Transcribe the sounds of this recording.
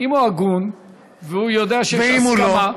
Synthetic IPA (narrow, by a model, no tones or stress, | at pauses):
imuaɡun | veujod̪eaʃeeimuloma